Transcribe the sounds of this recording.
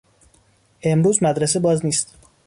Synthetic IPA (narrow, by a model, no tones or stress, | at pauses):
ʔe̞mɾuːzmæd̪ɾes̬e̞bɒːzniːst̪